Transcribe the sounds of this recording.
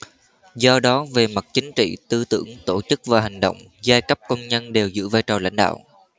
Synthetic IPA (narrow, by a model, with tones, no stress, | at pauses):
zɔ˧ɗɔ˨˦ve˨˩ma˨˩t̚t͡ɕï˨˦ŋ̟t͡ɕḭ˧˨t̪ɨ˧t̪ɨ̰˧˩əŋt̪o˧˩t͡ɕɨ˦˥k̚vaː˨˩ɦa˨˩ŋ̟ɗə̰˧˨wŋ͡m | zaː˧jkə˦˥p̚kə˧wŋ͡mɲə˧nɗe˨˩wzɨ̰˧˥vaː˧jt͡ɕəː˨˩la̰˧˥jŋ̟ɗa̰ː˧˨wʔ